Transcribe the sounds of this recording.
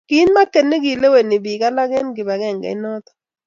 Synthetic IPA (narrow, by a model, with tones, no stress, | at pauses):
ɡ̥i˦nma˦ke˨ne˦ɡi˨le˦we˨ni˨bi˨ka˦la˦ɡɛ˦nɡɪ˨ba˨ɡɛ˦˨ŋɡɛ̰˨ɪ˦nɔ˦t̪ɔ̥˨